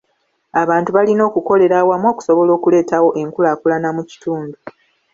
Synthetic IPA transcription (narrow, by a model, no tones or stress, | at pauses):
aβaːntuβalino̞ːkuko̞le̞ɾawamwo̞ːku̥so̞βo̞lo̞ːkule̞ːtawo̞ʔe̞ŋkulakulanamuci̥tuːndu